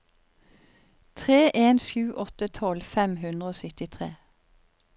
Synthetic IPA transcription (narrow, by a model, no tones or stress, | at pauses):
t̪ʰʁeːʔeːnʃʉːʔɔt̪ət̪ʰɔlfɛmhʉnd̪ʁəoːsʏt̪ɪt̪ʰʁḛː